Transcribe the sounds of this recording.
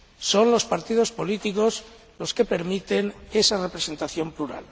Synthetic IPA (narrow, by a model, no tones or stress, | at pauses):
so̞nlo̞spaɾt̪ið̞o̞spo̞lit̪iko̞sz | lo̞ske̞pe̞ɾmit̪e̞nesarepɾese̞nt̪aθjo̞mpluɾa̰l